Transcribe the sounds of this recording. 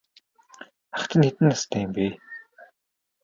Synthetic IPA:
aχt̪ʰə̆nxet̪ɘ̆nːast̪ʰæːmpiː

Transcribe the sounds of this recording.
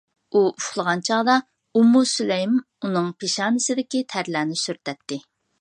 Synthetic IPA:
uuflˠəʁɑnt͡ʃʰɑʁd̪ɑ | umːusylɛjm | unɨŋpʰeʃɑːnɪsɪd̪ɪkʲit̪ʰæɾlæːnɪsyɾt̪ʰɛt̪ʰːɪ

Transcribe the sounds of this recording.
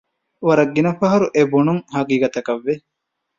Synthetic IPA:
ʋɐɾɐɡːinɐfɐɦɐɾuʔebunuŋhɐɡiːɡɐt̪ɐkɐʋːe

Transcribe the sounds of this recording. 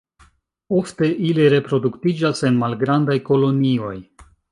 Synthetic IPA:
o̞fte̞ʔiliɾe̞pɾo̞duktid͡ʒase̞nmalɡɾandajko̞lo̞nio̞j

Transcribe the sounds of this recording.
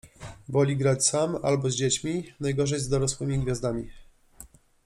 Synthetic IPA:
vɔlʲiɡɾat͡ɕsama̰lbɔzʲd͡ʑet͡ɕmʲinajɡɔʐɛjzd̪ɔɾɔswɘmʲiɡvʲjazd̪amʲi

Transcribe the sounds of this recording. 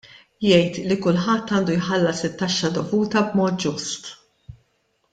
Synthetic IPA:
jɛjt̪likʊlħɐt̪ːɐːnd̪ujħɐlːɐsɪt̪ːɐʃːɐd̪ɔvuːt̪ɐbmɔːt̪̚d͡ʒʊst̪

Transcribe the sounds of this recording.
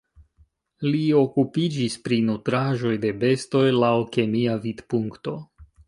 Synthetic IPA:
lio̞kupid͡ʒispɾinutɾaʒo̞jde̞be̞sto̞jlawke̞miavidpuŋkto̞

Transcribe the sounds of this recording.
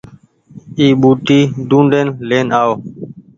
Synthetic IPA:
iːɓuːʈ̪iːd̪ũːɳɖeːnleːnaːoː

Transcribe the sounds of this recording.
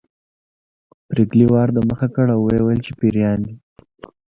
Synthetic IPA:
pɾekliwɑɾd̪əməxakəɽawwajwjəlt͡ʃepiɾjɑnd̪i

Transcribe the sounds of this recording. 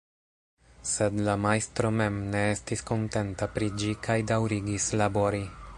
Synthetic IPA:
se̞dlamajstɾo̞me̞mne̞estisko̞nte̞ntapɾid͡ʒikʰajdawɾiɡislabo̞ɾi

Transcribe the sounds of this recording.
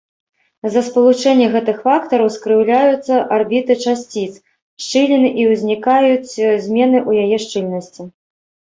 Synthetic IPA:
zɐspɐlˠut͡ʂɛnʲːɐɣɛt̪ɨxfakt̪ɐɾɐwskɾɨwlʲajut̪sːɐʔarbʲit̪ɨt͡ʂasʲt͡sʲit̪s | ʂt͡ʂɨlʲɛnɨʔiwzʲnʲikajut͡sʲzʲmʲɛnɨʔujajɛʂt͡ʂɨlʲnɐsʲt͡sʲi

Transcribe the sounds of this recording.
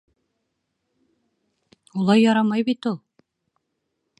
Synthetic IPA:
ulˠɑjːɑɾɑmɑjbit̪ulˠ

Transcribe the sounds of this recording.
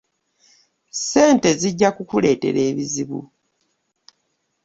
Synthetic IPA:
se̞ːnte̞ziɟːakukule̞ːte̞̰ɾeːβiziβṵ

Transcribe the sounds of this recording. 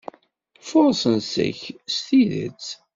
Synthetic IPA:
foɾˤsənsæ̰çst̪iðə̰t͡s

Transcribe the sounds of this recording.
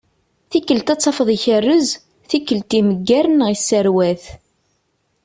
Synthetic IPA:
θikːəlt̪æt͡sˤːɑfəðˤiçərːəz | θikːəlt̪iməɡːæɾənʁisːəɾwæθ

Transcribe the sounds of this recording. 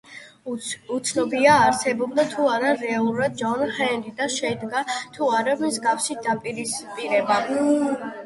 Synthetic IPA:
ut̪sʰnɔbiaːɾsɛbɔbd̪at̪ʰuaɾaɾɛalˠuɾad̪̚d͡ʒɔnhɛnd̪id̪aʃɛid̪ɡat̪ʰuaɾamzɡafsid̪apʼiɾispʼiɾɛba

